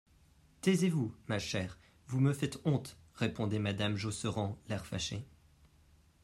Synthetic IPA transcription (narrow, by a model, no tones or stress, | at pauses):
t̪ɛzevumaʃɛːʁ | vuməfɛt̪ɔ̃t̪ʁepɔ̃d̪ɛmad̪amʒosəʁɑ̃lɛʁfaʃe